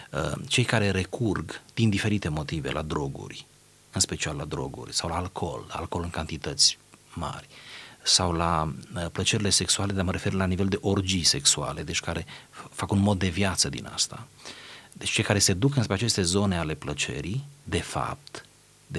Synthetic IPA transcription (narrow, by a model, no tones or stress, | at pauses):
ə̰t͡ʃe̞jkaɾe̞ɾe̞kurɡd̪̥ind̪ife̞ɾit̪e̞mo̞t̪ive̞̰lʔa̰d̪ɾo̞ɡṵrʲ | ɨnspe̞t͡ʃialːad̪ɾo̞̰ɡṵrʲsawlaːlkʰo̞̰la̰lko̞lɨŋkant̪it̪ət̪sʲma̰rʲsawlaplət͡ʃe̞ɾile̞se̞ksuale̞d̪aməɾe̞fe̞rlanive̞ld̪e̞ʔo̞rd͡ʒijse̞ksua̰le̞d̪e̞t͡ʃʲkaɾefakunmo̞d̪̚ːe̞vjat̪səd̪ḭna̰st̪a | d̪et͡ʃt͡ʃe̞jkaɾe̞se̞d̪ukɨnspɾe̞at͡ʃe̞st̪e̞zo̞ne̞ale̞plət͡ʃe̞̰ɾid̪e̞fa̰p̚t̪ | d̪e